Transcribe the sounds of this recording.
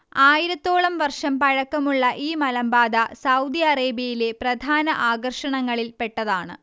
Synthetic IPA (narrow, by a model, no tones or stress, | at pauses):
aːjiɾɐt̪ːoːɭɐmʋɐrʂɐmpɐɻɐkːɐmuɭːɐʔiːmɐlɐmbaːd̪ɐsɐwd̪iɐreːbjɐjile̞prɐd̪ʱaːnɐʔaːɡɐrʂɐɳɐŋːɐɭilpe̞ʈːɐðaːɳɨ̰